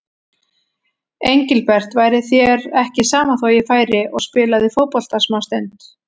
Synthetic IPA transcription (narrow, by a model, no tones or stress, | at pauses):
ejɲcɪlpɛr̥t̪vaːjɾɪθjɛɾɛhcɪsaːmaθoːwjɪfaːjɾɪʔɔɣspɪːlaðɪfowpɔl̥t̪asmaːwst̪ejnt̪